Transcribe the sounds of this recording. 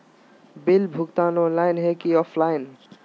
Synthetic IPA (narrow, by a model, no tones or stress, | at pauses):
bilbʱukt̪anõlajnɦekiɔpʰlajn